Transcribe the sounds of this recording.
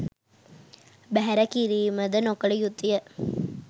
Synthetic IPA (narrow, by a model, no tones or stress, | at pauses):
bæɦɛɾɐkiɾiːməd̪ənokɐɭijut̪ːijə